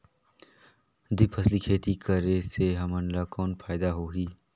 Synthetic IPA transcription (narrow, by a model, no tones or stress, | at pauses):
d̪ipʰəslikʰeːt̪ikəɾeseɦɐmə̃nlakɔːnfʰaːɪd̪aɦoːɦiː